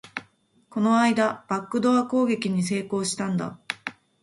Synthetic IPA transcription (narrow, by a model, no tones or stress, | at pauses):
ko̞no̞aid̪ab̥akːɯ̟d̪o̞ako̞ːɡe̞kʲiɲ̟is̬e̞ːko̞ːɕi̥t̪ãnd̪a̰